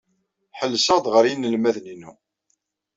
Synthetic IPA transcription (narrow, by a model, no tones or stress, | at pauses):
ħəlːsəʁd̪ʁəɾjinːəlmæðninu